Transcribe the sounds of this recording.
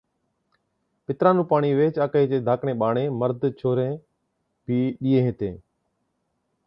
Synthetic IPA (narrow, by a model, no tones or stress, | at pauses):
pɪt̪ɾaːnũːpaːɳiːʋeːt͡ʃaːkeːd͡ʒeːd̪ʱaːkɳeːɓaːɳeːməɾd̪t͡ʃʰoːɾẽː | bʱiːɗiːẽːɦet̪ẽː